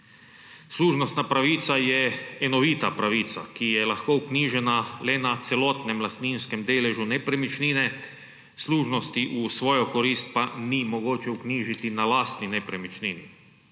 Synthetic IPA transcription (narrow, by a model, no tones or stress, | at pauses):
sluːʒnost̪napɾaʋiːt̪sajɛɛnoʋiːt̪apɾaʋiːt̪sa̰kijɛlaxkoukniːʒɛnalɛnat̪sɛloːt̪nɛmlast̪niːnskɛmd̪eːlɛʒunɛpɾɛmit͡ʃniːnɛ | sluːʒnost̪iʔusʋoːjokoɾiːst̪̚panimoɡoːt͡ʃɛukniːʒit̪inalaːst̪ninɛpɾɛmit͡ʃniːnḭ